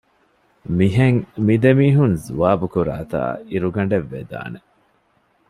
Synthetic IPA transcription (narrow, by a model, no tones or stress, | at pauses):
miɦeŋmid̪emiːɦunzuʋaːbukuɾa̰ːt̪a̰ːiɾuɡɐɳɖeʋːed̪a̰ːne